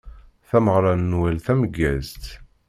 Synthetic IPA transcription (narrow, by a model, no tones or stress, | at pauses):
θæməʁɾˤɑnːwælθæməɡːæzt̪